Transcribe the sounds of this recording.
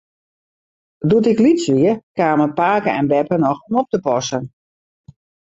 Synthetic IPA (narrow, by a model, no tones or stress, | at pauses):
duətɪklitsʋiəkaːməpaːkəɛnbɛpənɔxomop̚təpɔsən